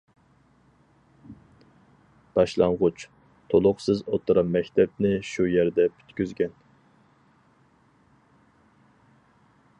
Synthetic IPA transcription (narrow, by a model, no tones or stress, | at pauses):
b̥ɑʃlˠɑɴʁʊt͡ʃ | t̪ʰolˠʊqsɨzot̪ʰʊɾɑmːɛkʲt̪ʰɛpnɪʃujɛɾd̪ɛpʰy̥t̪kʲyzɡʲɛn